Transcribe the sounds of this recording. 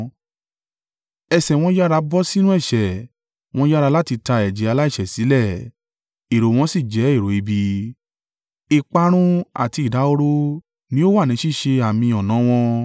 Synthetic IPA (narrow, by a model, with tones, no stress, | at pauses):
ɛ˧˨sɛ˨w̃ɔ̃˧˦ja˦ɾa˧bɔ˦si˦nũ˦ɛ˦˨ʃɛ˨ | w̃ɔ̃˦ja˦ɾa˧la˦ti˧ta˧ɛ˨d͡ʒi˨˦a˧la˦i˦˨ʃɛ˨si˨˦lɛ˦˨ | e˨ɾo˨w̃ɔ̃˧˦si˦˨d͡ʒɛ˨˦e˦˨ɾo˨i˧bi˧ | i˧k͡pa˧ɾ̃ũ˦a̰˨ti˧i˨da˨˦o˦ɾo˦ | nĩ˦o˦wa˦˨nĩ˨˦ʃi˦˨ʃe˧a˨mĩ˧ɔ˨nã˨˦w̃ɔ̃˧